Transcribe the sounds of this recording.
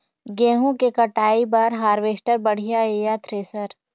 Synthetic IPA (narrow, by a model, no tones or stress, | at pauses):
ɡẽːɦõkekɐʈaːibɐɾɦaːɾʋeːʃʈəɾbɐɽ̤ijaeːjat̪ɾeːsəɾ